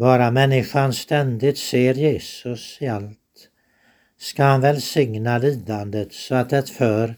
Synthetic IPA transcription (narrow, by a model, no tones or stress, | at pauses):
bɑːɾamɛnːɪɧanst̪ɛnd̪ɪt̪seːɾjeːsɵsɪalt̪ | skahanvɛlsɪŋnaliːd̪and̪ət̪sɔat̪̚d̪ɛt̪fœɾ